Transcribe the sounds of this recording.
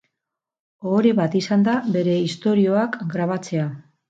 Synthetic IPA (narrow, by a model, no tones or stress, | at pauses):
oɾeβat̪isand̪aβe̞ɾe̞ist̪o̞ɾio̞akɡɾaβat͡se̞a